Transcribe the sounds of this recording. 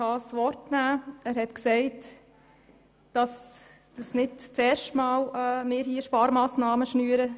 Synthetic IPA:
ɑːsʋɔɾtnæːæːɾhɛtksɛɪt | d̥ɑs | d̥əsnɪdt͡sɛːɾʃtmɑːlɛmɪːɾhiːʃpɑːɾmɑːsnɑːməʃnyːəɾə

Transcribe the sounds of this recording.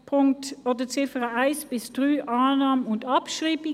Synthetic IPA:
pʰʊŋktoːdət͡sɪfəʁəaɪsb̥ɪsd̥ʁyːʔaːnɑːmənʊndɑpʃʁiːbɪ

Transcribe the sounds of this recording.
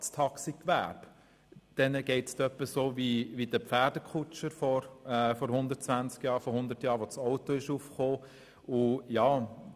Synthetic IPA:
stʰɑksikʋæ̰b | d̥ɛnəɡ̥ɛɪtstœpːəsoːʋiʋid̥əpfæːd̥əkʰut͡ʃəɾfɔɾɛfɔɾhʊnd̪ətt͡sʋænt͡skjɑːɾfɔhʊnd̪ətjɑːɾʋɔt͡sɔʊtoɪʃuːfχoː | ʊjɑː

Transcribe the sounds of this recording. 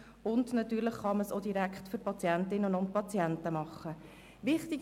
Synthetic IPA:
ʊndnɑtyːɾləχːɑməsod̥iɾækχtfʏɾpɑt͡sjæntɪnːənʊntpɑt͡sjɛntəmɑχːə | ʋɪχtɪɡ

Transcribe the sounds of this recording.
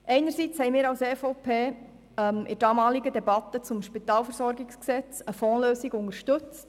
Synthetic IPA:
ʔɛɪnəɾsit͡shɛɪmiːɾɑwseːfoʊpʰeː | ɛmɪ̰d̥ɑːmɑːliɡədɛbɑt̪ət͡sʊmʃpit̪ɑːlfəɾsɔɾɡɪksksɛt͡səfɔːløːsiɡʊŋəɾʃtɵt͡st

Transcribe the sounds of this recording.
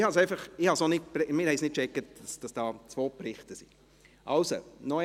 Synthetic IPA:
hɑsɛɪfɑχɪhɑsonɪpɾmɪːhɛɪsnɪt̚kt͡ʃɛkːətd̥ɑsd̥ɑsd̥ɑːt͡sʋoːpɾɪχtəsi | ʔɑlso̰nɔ

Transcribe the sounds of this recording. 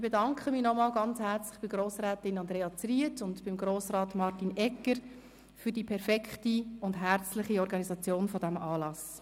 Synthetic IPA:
ɪbedɑŋkχəmiːnɔmɑːlɡɑnt͡shæɾt͡slɪχb̥ɪɡ̥ɾoːsɾɛːtɪnɑndɾeːɑt͡sriətʊntb̥ɪmɡɾoːsɾɑːtmɑɾtinɛkːəɾ | fyɾdipʰɛɾfɛkχtiʊndɦæɾt͡slɪχiɔɾɡɑnizɑt͡sjoːnfɔdæmɑːlɑs

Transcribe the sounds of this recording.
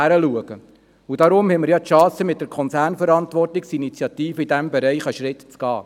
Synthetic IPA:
æɾəluəɡ̥ə | ud̥ɑɾʊmhɛməɾjɑtʃɑ̃ːsəmɪt̪̚d̥əɾkʰɔnt͡sæːrnfəɾɑntʋɔrtɪksinit͡sjɑt̪iːfəid̥æmbɛɾɛɪχəʃɾɪtt͡sɡ̥ɑː

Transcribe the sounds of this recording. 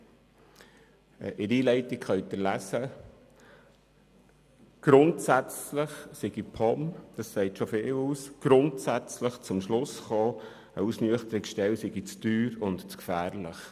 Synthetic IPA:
ʔɪɾiːlɛɪtɪkχœʏt̪əlæsə | ɡ̥ɾʊntsæt͡sləχsɪɡipʰɔmd̥ɑssɛɪtʃofɪːluːsɡ̥ɾʊntsæt͡sləχt͡sʊmʃlʊsχoː | əusnyəχt̪əɾɪksʃtɛwsɪɡit͡sd̥yːɾʊntt͡skfæːɾləχ

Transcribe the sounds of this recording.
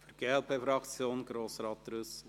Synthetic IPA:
fəɾɡ̥eɛlpʰefɾɑkt͡sjoːnɡɾoːsɾɑːt̪ɾʉs

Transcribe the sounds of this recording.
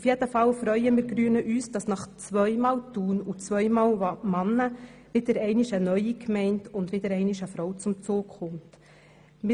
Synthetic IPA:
ufjɛd̥əfɑlfɾœʏəmɪːɾɡɾyːənəʔyːsd̥ɑsnɑχt͡svʋœʏmɑːltuːnut͡sʋœʏmɑːlɑmɑnːəʋɪdəɾɛɪnɪʃənœʏikmɛɪntʊndʋɪdəɾɛɪnɪʃəfɾɔwt͡sʊmt͡soːkχʊmt | mɪ

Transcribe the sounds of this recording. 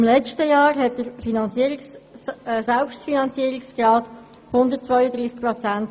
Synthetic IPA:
imlɛt͡stəjɑːɾɦɛt̚dəɾfinɑnt͡siəɾiks | sɛlpʃtfinɑnt͡siəɾɪksɡ̥rɑːt | hʊndət̚t͡svɔʏədɾiːsk̚pʁɔt͡sænt

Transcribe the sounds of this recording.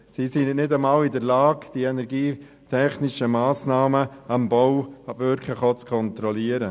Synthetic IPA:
sisɪnnɪdəmaːlɪdəɾlaːɡd̥iɛnɛɾɡiː | tʰɛχnɪʃəmaːsnɑːməɑmbɔwɑbvʏɾkʰləχɔt͡skʰɔnt̪ɾɔliəɾə

